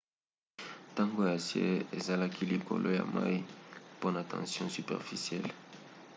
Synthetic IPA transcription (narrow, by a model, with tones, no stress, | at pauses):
ta˦ŋɡo˦ja˨sje˦e˨za˦la˦kʰi˦li˨ko̰˨lo˦ja̰˨ma̰˦i˦po˦na˨tɑ̰̃˨sjɔ̃˦sy˨pɛ̰˨ʁfi˨sjɛ˦l